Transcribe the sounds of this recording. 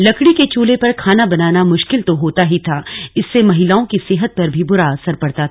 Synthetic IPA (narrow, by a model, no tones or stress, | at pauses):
lɐkɽiket͡ʃuːlepɐɾkʰaːnabɐnaːnamʊʃkɪlt̪oɦoːt̪aɦit̪ʰaːɪsːemɐɦɪlaːõkiseːɦət̪̚pɐɾbʱibʊɾaɐsəɾpɐɽt̪at̪ʰː